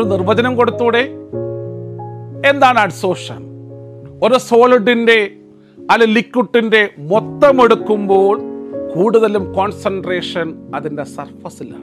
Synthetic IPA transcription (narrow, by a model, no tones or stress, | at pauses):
ɾunirʋɐd͡ʑɐnɐmko̞ɽut̪ːuːɽe̞ | end̪aːɳɐɖso̞ːʂɐ̰n | oɾuso̞ːɭiɖinde̞ | ɐlɐlikːuʈːinde̞mot̪ːɐme̞ɽukːumbo̞ːɭkuːɽuðɐlumkoːnsɐnɖre̞ːʂɐnɐðinde̞sɐrfɐsilɐ̰